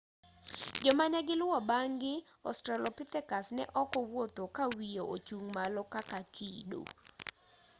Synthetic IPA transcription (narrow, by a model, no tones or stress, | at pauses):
d͡ʒɔmanɛɡɪlʊwɔbaŋɡɪ | ɔ̰stɾalɔpɪt̪ɛkasnɛ̰ʔɔkɔwot̪okawijoot͡ʃuŋmalɔkakakʰido̰